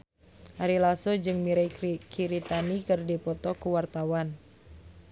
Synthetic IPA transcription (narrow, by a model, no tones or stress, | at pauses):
aɾilasod͡ʒɨŋmiɾajkʰiɾit̪anikɨrdipɔt̪ɔkuwart̪awan